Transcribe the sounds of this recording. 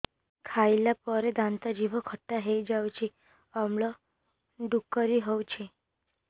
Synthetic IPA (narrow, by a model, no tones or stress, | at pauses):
kʰajlapəɾed̪ant̪ad͡ʑiʋəkʰəʈːaɦejd͡ʑawt͡ɕi | əmɭɔ | ɖukːəɾiɦɔwt͡ɕʰi